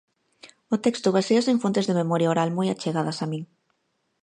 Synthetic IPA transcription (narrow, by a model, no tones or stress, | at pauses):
ʊt̪ɛkst̪ʊβasiɐseɱfont̪ezðememɔɾjaoɾalmɔjat͡ʃeɣaðɐsamĩŋ